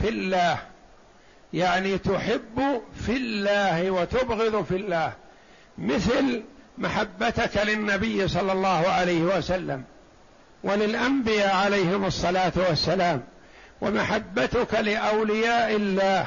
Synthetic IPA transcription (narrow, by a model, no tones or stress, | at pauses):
fɪlːaːh | jaʕniːt̪ʊħɪbːʊfɪlːaːhɪwat̪ʊbɣɪðˤfilːaːh | mɪθlmaħabːat̪ʊkalɪnːabɪjːsˤɑlːɑlˤːɑːhʊʕalajhɪwasalːa̰m | walɪlʔambɪjaːʕalajhɪmɑsˤːɑlaːt̪wasːalaːm | wa̰maħabːat̪ʊkalɪʔawlɪjaːʔɪlːaːh